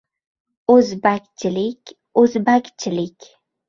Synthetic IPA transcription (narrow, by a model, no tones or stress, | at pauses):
ɵzbakʲt͡ʃʰɪlɪkʲ | ɵzbakʲt͡ʃʰɪlɪkʲ